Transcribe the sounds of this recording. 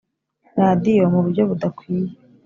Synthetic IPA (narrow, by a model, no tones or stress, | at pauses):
ɾaːdijo̞muβuɾɟo̞βudakwiːje